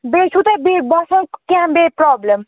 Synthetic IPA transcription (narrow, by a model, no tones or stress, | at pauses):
besʰut̪ʌbebʌsãkãbeprɔblem